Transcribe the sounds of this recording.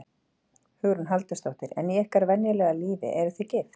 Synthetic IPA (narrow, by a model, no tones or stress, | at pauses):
hʏɣɾʏnɦalt̪ḁst̪owht̪ɪɾɛ̰nːiɛhkaɾvɛnjʏlɛɣaliːvɪ̰ʔɛɾʏθɪcɪːft̪